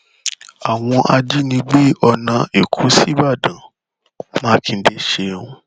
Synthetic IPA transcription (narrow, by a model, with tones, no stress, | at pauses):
a˨w̃ɔ̃˧ʔa˧d͡ʒi˦nĩ˧ɡ͡be˦ɔ˧nã˧e˨kʰu˨˦si˦ba˦˨dã˨ | mãː˦kʰĩ˧n̩˨˦de˦ʃe˧ũ˧